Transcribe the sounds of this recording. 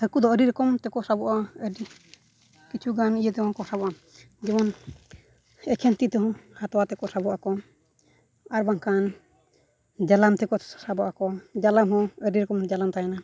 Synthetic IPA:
həkud̪ɔəɾiɾɛkɔmt̪ɛkɔsabɔʔaəɾi | kit͡ʃʰuɡanijət̪ɛhɔ̃kɔsabɔʔa | d͡ʒɛmɔn | ɛkʰɛnt̪it̪ɛɦɔ̃hat̪ɔwat̪ɛkɔsabɔʔakɔ | aɾbaŋkan | d͡ʒalamt̪ɛkɔsabɔʔakɔd͡ʒalamɦɔ̃əɾiɾɛkɔmd͡ʒalamt̪ajana

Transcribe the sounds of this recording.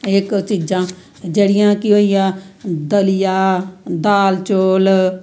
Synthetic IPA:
ekt͡ʃiːd͡ʒãː | d͡ʒeːɽɪjãːkiɦoːijãːd̪əlɪjaːd̪aːlt͡ʃoːl

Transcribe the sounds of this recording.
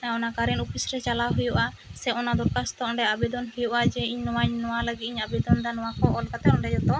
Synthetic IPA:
aɔnakaɾɛnupʰisɾɛt͡ʃalaɦujuʔa | sɛɔnad̪ɔɾkast̪ɔɔɳɖɛabɛd̪ɔnhujuʔad͡ʒɛiɲnɔwaɲnɔwaləɡit̪̚iɲabɛd̪ɔnd̪anɔwakɔʔɔlkat̪ɛɔɳɖɛd͡ʒɔt̪ɔ

